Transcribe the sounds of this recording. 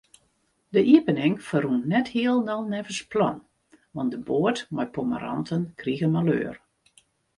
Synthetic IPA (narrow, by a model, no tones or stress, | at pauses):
dəʔiəpənɪŋfərunːɛthiəlˠnɔlˠnɛvəsplɔn | ʋɑndəboətmajpomə̰ɾɔ̰ntʰənkriɣənmalø̰ːr